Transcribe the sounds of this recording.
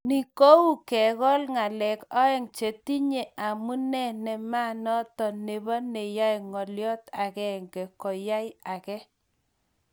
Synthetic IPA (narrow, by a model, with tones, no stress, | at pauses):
ni˨ko˦u˦˨kɛ˨ɣɔ˦lŋa˨lɛ˨kɔ˦ɛ˦˨ŋt͡ʃe˨ti˦ɲe˨a˨mu˦nɛ˦˨nɛ˨ma˦nɔ˦tɔ˨ne˨bɔ˦ne˨ja˦jŋɔ˨ljɔ˦ta˨kɛ˨ŋɡɛ˨kɔ˨ja˦ja˨kɛ˦